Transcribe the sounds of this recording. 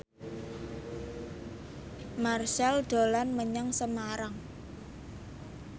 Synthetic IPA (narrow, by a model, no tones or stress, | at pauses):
marʃalɖ̪̥o̤lanməɲaŋsəmaɾaŋ